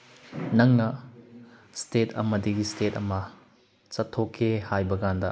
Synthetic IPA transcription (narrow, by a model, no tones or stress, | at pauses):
nɐŋnɐ | stetʰɐ̰mɐdiɡistetɐmɐ | t͡ʃɐtʰːokʰːehajbɐɡandɐ